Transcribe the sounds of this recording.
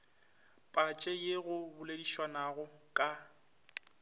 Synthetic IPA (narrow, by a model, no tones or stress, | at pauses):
pʼat͡ʃʼɛjeɣʊbʊlediʃwanaɣʊkʼa